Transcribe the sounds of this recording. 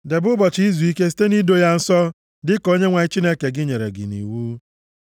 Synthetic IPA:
de˨bʊ˦bɔ˨t͡ʃi˦zu˨i˦ke˦s̬i̥˦te˦ni˦do˦ja˦n̩˦sɔ˦ | dɪ˦ko˦ɲe˦ŋʷa˨ɪ˦t͡ʃi˦ne˦ke˨ɡɪ˦ɲe˨ɾḛ˨ɡɪ̰˨nḭ˨wuː˦

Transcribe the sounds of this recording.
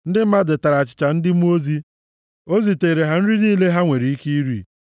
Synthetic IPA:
n̩˦dɪ˦m̩˦ma˦de˨ta˨ɾa˨t͡ʃɪ̥˨t͡ʃa˨n̩˦dɪ˦m̩˦o˦zi˦ | o˦zi˨te˨ɾe˨ɦa˦n̩˦ɾi˦niː˦le˦ɦa˦ŋʷe˨ɾi˨i˦ki˦i˦ɾḭ˦˨

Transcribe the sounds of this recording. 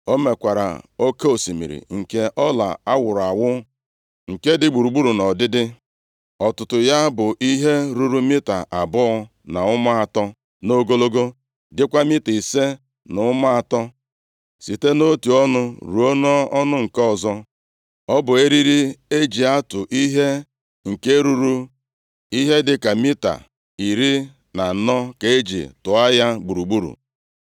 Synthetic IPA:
o˦me˨kʷa˨ɾa̰˨o˦ke˦o˨si˨mḭ˨ɾḭ˨ŋ̩˨ke˦ʔɔ˦la̰˨a˦wʊ˨ɾa˨wʊ˦ | ŋ̩˨ke˦dɪ˦ɡ͡bu˨ɾu˨ɡ͡bu˦ɾu˨nɔ˨dɪ˦dɪ˦ | ɔ˨tʊ˨tʊ˨ja˦bʊ˨ʔi˦ɦe˦ɾu˦ɾu˦mi˦ta˨ʔa˨bʊ˦ɔ˦ | na˨ʊ˦ma˦a˨tɔ˦ | no˦ɡo˦lo˦ɡo˦ | dɪ˦kʷa˦mɪ˦ti˨se˦ | nʊ˨˦ʊ˦ma˦a˨tɔ˦ | si˨te˦no˦tu˨ɔ˦nʊ˦ɾṵ˨o˦nɔ˦ɔ˦nʊ˦ŋ̩˨kɔ˦˨zɔ˦ | ɔ˦bʊ˨e˦ɾi˦ɾi˦e˦d͡ʒi˨a˦tʊ˨ʔi˦ɦe˦ | ŋ̩˨ke˦ɾu˦ɾu˦ | i˦ɦe˦dɪ˨ka˨mi˦ta̰˨ | i˨ɾi˦ | na˨nɔ˦ke˨e˦d͡ʒḭ˨tʊ˨a˦ja˦ɡ͡bu˨ɾu˨ɡ͡bu˦ɾṵ˨

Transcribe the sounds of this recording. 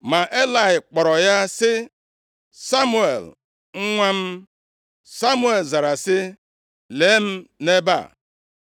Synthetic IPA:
ma˨ʔe˦la˨ɪ˨k͡pɔ˨ɾɔ˨ja˦sɪ˦ | sa˦mu˦ḛ˨l | ŋ̩˦ŋʷa˦m̩˦ | sa˦mu˦e˨lza˨ɾa˨sɪ˦ | le˨˦m̩˦ne˦ba̰˦˨

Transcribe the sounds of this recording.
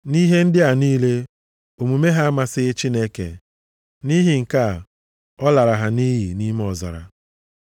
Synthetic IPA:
ni˦ɦe˦n̩˦dɪ˦a˨niː˦le˦ | o˨mu˨me˦ɦa˦ma˨sɪ˦t͡ʃi˦ne˦kḛ˨ | ni˦ɦi˨ŋ̩˨ka˦˨ | ɔ˦la˨ɾa˨ɦa˨ni˦ɦi˨ni˦m˦ɔ˨za̰˨ɾa̰˨

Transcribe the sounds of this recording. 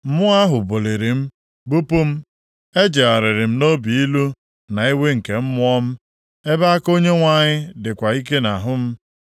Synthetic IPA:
m̩˦mʊ˦a˦ɦʊ˨bo˨le˨ɾi˨m̩˦ | bu˦pu˦m̩˦ | e˦d͡ʒe˨a˨ɾɪ˨ɾɪ˨m̩˦no˦bi˨i˦lu˦ | na˨i˦we˦ŋ̩˨ke˨m̩˦mʊ˦ɔ˦m̩˦ | e˦ba˦a˦ko˦ɲe˦ŋʷa˨ɲɪ˦dɪ˨kʷa˨i˦ke˦na˨ɦʊ˦m̩˦

